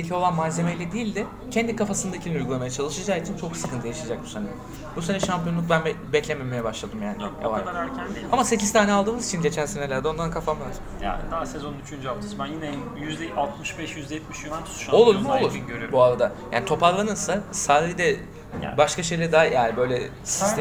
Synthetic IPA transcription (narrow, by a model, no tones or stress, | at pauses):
icʰʲio̞lˠanmaze̞mejlʲɛd̪iːilʲd̪ɪ | cʰɛnd̪ikafasɯnd̪acʰilʲnujɡulˠamajat͡ʃʰalˠɯʃad͡ʒaːit͡ʃʰint͡ʃʰo̞ksɯ̥kʰɯnt̪ʰjaaʃad͡ʒak̚busenɛ | bus̬enɛʃampijo̞nˠuk̚bænbɛbɛclʲememejɛbaʃlˠad̪ɯmjaːnio̰va̰ɾaɾæɾʰænamase̞cʰiz̥t̪ʰaːnʲɛalˠd̪ɯːmɯzit͡ʃʰinɟe̞t͡ʃʰænse̞nelʲæɾd̪ɛond̪ankʰafammˠaɾ | ja̰d̪asezo̞nyt͡ʃʰynd͡ʒyalˠt̪ʰsmajinɛ | jyzd̪ɛʔalˠt̪mɯʃbɛʃjyzd̪ɛjɛt̪̚miʃjulˠant͡ʃʰt̪ʰu̥ʃo̞lˠuɾmuolˠuɾøɾybuaɾad̪aja̰ːnit̪ʰo̞paɾlˠanɯnsasaːd̪id̪ɛ̰ | baʃkaʃe̞jlʲæɾd̪aɦajjaːnibø̞jlʲɛ | sist̪